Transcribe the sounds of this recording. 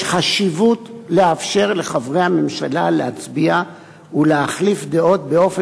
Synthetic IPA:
χaʃivutleafʃe̞ʁle̞χavʁejhame̞mʃalaleat͡sbia | uleaχlifd̪e̞o̞t̪̚beo̞fe

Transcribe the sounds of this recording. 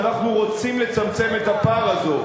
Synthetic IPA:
naχnuʁo̞t͡simle̞t͡samt͡se̞me̞t̪apaʁazo̞

